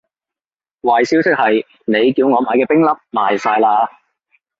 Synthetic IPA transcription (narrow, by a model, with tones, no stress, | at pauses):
waː˨˩jsi˨˥wsɪ˥k̚hɐ˨j | ne˨˧jkiː˧wŋɔː˨˧maː˨˧kɛː˧pɪ˥ŋlɐ˥p̚maː˨jsaː˧jlaː˧